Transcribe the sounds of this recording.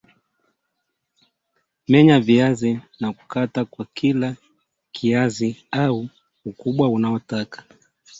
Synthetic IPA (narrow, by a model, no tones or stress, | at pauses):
mɛɲaviazinaku̥katakwakʰila | kʰiaziau | ukuɓwaunaɔtakḁ